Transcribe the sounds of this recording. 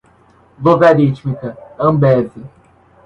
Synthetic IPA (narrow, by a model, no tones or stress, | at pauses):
vovɛɾit͡ʃmikɐɐ̃mbɛzi